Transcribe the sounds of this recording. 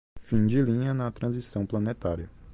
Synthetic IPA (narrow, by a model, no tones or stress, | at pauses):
fĩd͡ʒɪlĩɲɐnɐt̪ɾɐ̃zisɐ̃w̃plɐnet̪aɾiɐ